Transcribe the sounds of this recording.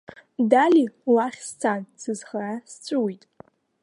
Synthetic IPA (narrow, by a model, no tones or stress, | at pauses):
daliwaχʲst͡sʰansɨzχarast͡sʷʼʊwitʼ